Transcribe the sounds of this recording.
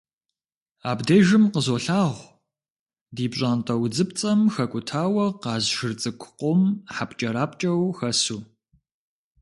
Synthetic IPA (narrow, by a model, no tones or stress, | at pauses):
aːbdeːʒɪmqəzoːɬaːʁʷ | diːbɕʼaːntʼɐwd͡zɨp̚t͡sʼɐmxɐkʷʼʊtʰaːwɐqɑːzʒɪrt͡sʼɨkʷʰʊ̥qʷɔmħapt͡ʃʼɐɾaːp̚ʼt͡ʃʼɐwxɐsuː